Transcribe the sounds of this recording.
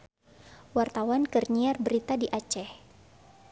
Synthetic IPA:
wart̪awankərɲiarbəɾit̪adiʔat͡ʃɛh

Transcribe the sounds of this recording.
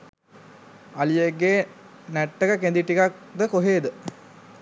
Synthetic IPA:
ɐlijeɡːeː | næʈːəkəkend̪iʈːikak̚d̪əkoɦeːd̪ə

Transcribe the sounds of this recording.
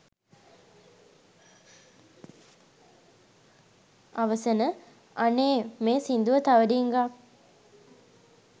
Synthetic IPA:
aʋəsənə | aneːmeːsind̪uʋət̪aʋəɖiːŋɡa

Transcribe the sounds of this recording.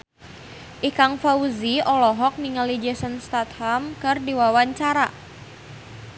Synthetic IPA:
ʔikaŋfauziɔlɔɦɔk̚miŋəlid͡ʒəsənst̪at̪̚hamkɨrdiwawaɲt͡ʃaɾa

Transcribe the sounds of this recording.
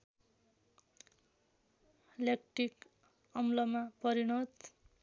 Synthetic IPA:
lek̚ʈrik | ʌmlʌmapʌɾiɽʌd̪

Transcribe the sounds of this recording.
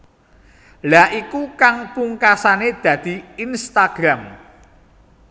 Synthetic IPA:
laʔikukaŋpuŋkasaned̪̥ä̤d̪̥i̤inst̪aɡ̥ɾam

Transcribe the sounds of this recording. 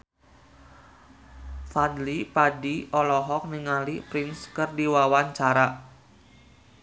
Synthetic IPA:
fadlipadiɔlɔɦɔk̚niŋalipɾinskɨrdiwawaɲt͡ʃaɾa

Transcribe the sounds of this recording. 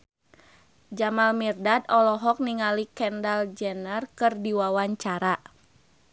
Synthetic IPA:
d͡ʒamalmirdad̪ɔlɔɦɔk̚niŋalikɛndald͡ʒɛnərkɨrdiwawaɲt͡ʃaɾa

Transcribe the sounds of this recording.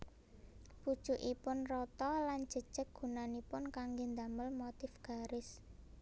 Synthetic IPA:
pud̥ʒ̥uʔipʊnrɔt̪ɔlan̥d͡ʒ̥ə̤d̥ʒ̥ə̤k̚ɡ̥ṳnanipʊnkaŋɡend̪aməlmot̪ɪfɡ̥a̤ɾɪs

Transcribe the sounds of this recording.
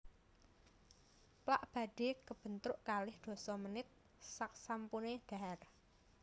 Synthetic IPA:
plaʔb̥a̤d̥e̤kəb̥ə̤nt̪ɾʊʔkalɪhd̪̥o̤sɔmənɪt̪̚ | sak̚sampuned̪̥a̤r

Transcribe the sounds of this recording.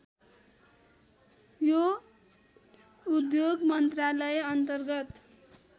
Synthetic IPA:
jo | ud̪joɡmʌnt̪ralʌjeʌnt̪ʌrɡʌt̪

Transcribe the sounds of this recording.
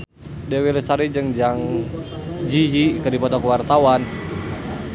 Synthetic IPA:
dɛwilsaɾid͡ʒɨŋd͡ʒaŋ | d͡ʒijikədipɔt̪ɔkəwart̪awan

